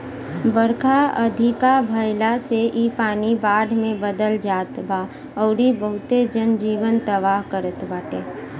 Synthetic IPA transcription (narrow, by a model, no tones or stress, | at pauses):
bəɾkʰaə̰d̪ʱɪkabʱəjlaseʔipaːnibaːɖʱmẽbəd̪əld͡ʒaːt̪baː | ɔʊɾibəɦʊt̪ed͡ʒənd͡ʒiːʋənt̪əʋaːɦkəɾət̪baːʈeː